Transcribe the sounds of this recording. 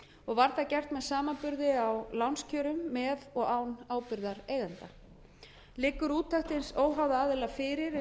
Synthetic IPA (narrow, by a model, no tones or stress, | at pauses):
ɔɣvaɾθacɛr̥t̪mɛðsaːmanpʏɾðɪawlawnscʰœːɾʏmːɛðɔɣaːwnaːwpɪɾðaɾeːjðant̪a | lɪːkʏɾuːt̪ʰːaht̪ɪnsoːwɦawðaaːðɪlafɪːɾɪɾ